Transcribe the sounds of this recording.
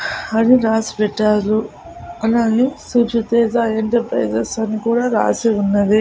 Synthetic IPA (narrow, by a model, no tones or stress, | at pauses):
ɐniɾaːsi̥pɛʈːaːlu | ɐlaːneːsut͡ʃut̪ɛːd͡ʒaeɳʈɐɾpɾɐ̰jd͡ʒɐsɐnikuːɽaːɾa̰ːseunːɐd̪i